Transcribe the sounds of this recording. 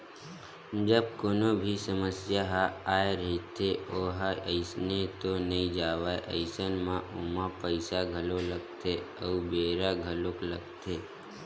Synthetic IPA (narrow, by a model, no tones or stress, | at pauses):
d͡ʒəb̚koːnobʱisəməsjaɦaaːeɾəɦit̪ʰeoːɦaʔəɪsnet̪onɐĩd͡ʒaːʋaːeʔə̰ɪsənmãʔomãpəɪsaɡʱəloləɡt̪ʰe | əubeːɾaɡʱəlokləɡt̪ʰeː